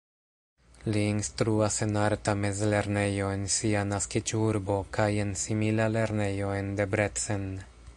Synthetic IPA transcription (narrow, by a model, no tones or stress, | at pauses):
liːnstɾuase̞naɾtame̞zle̞ɾne̞jo̞e̞nsianaskit͡ʃuɾbo̞kaje̞nsimilale̞ɾne̞jo̞e̞nde̞bɾe̞t͡sen